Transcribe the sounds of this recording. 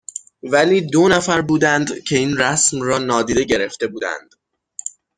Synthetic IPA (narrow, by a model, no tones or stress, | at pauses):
væliːd̪onæfæɾbuːd̪ænd̪cʰe̞iːnɾæsmrɒːnɒːd̪iːd̪e̞ɟe̞ɾe̞ft̪e̞buːd̪æ̰nd̪̥